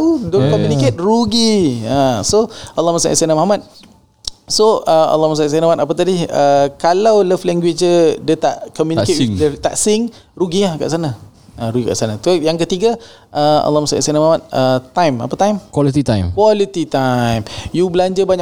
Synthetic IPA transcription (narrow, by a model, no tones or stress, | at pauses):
udokomuniket̪̚ruɡiasoʔalːɔhmasa̰ʔsanamahmat̪̚ | soəa̰lːɔhmas̬aʔsanamat̪apat̪̬adiəkalawləflɛŋɡwet͡ʃədət̪a̰ʔkɔmjunikedət̪a̰ʔsɪŋ | ɾuɡiahka̰ʔsana | əɾuɡika̰ʔsanat̪ujaŋkət̪iɡa | ʔəa̰lːɔhmasa̰ʔḭsanamahmat̪̚ət̪ajma̰pat̪ajmkwɔlit̪it̪ajmkwɔlit̪it̪ajmjubəlaɲd͡ʒabaɲa